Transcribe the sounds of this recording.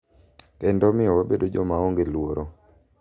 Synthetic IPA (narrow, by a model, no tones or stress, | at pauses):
kɛndɔmɪɔwabedod͡ʒɔmaoŋɡelwoɾʔo